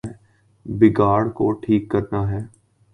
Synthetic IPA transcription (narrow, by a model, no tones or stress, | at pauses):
bɪɡaːɽkoʈʰiːkːəɾnaɦɛː